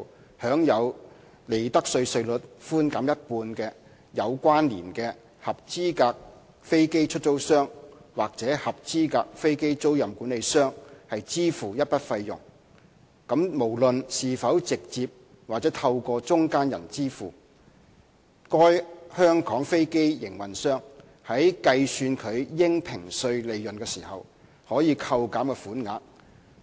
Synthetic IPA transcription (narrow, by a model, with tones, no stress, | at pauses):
hœː˨˥ŋjɐ˨˧w | le˨˧jt̪ɐ˥k̚sɵ˧ɥsɵ˧ɥlɵ˨t̚fuː˥nkaː˨˥mjɐ˥t̚puː˧nkɛː˧ | jɐ˨˧wkʷaː˥nlḭː˨˩nkɛː˧ | hɐ˨p̚t͡siː˥kaː˧k̚ | fe˥jke˥jt͡ʃʰɵ˥t̚t͡so˥wsœː˥ŋwaː˨˩k̚t͡sɛː˨˥hɐ˨p̚t͡siː˥ka̰ː˧k̚fe˥jke˥jt͡so˥wjɐ˨mkuː˨˥nle˨˧jsœː˥ŋhɐ˨jt͡siː˥fuː˨˩jɐ˥t̚pɐ˥t̚fɐ˧jjʊ̰˨˩ŋ | kɐ˨˥mmo˨˩wlɵ˨nsiː˨fɐ˨˥wt͡sɪ˨k̚t͡siː˧p̚ | waː˨t͡sɛ˨˥t̪ʰɐ˧wkɔː˧t͡sʊ˥ŋkaː˥njɐ̰˨˩nt͡siː˥fuː˨˩ | kɔː˥jhœː˥ŋkɔː˨˥ŋfe˥jke˥jjɪ̰˨˩ŋwɐ˨˩nsœː˥ŋ | hɐ˨˥jkɐ˧jsyː˧nkʰɵ˨˧ɥjɪ˥ŋpʰɪ˨˩ŋsɵ˧ɥle˨jːɵ˨nkɛː˧siː˨˩hɐ˨w | hɔː˨˥jiː˨˧kʰɐ˧wkaː˨˥mkɛː˧fuː˨˥nŋaː˨˥k̚